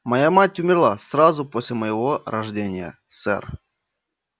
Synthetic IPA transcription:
mɐjamatʲːʊmʲɪrlˠasɾazʊposʲlʲɪməjɪvoɾɐʐdʲenʲɪjə̰ | sɛ̰r

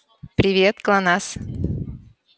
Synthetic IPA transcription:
pɾʲɪvʲet̪klˠanas

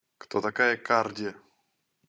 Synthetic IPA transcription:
kt̪ɔt̪akajɛkʰardʲɛ

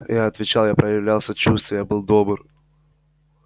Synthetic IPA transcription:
jaɐt̪vʲɪt͡ɕalˠjapɾəjɪvlʲalˠsʲət͡ɕust̪vəjabɨlˠd̪o̞bɨr

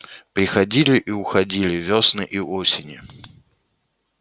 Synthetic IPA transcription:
pɾʲɪxɐdʲilʲɪʔiʊxɐdʲilʲɪvʲosnɨʔiʔosʲɪnʲɪ

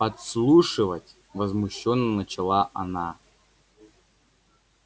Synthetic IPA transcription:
pɐt̪slˠuʂɨvətʲ | vɐzmuɕːonːənət͡ɕɪlˠaʔɐna

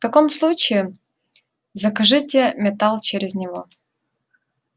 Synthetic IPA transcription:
ft̪ɐkomslˠut͡ɕɪː | zəkɐʐɨtʲɪmʲɪt̪alˠt͡ɕeɾʲɪznʲɪvo

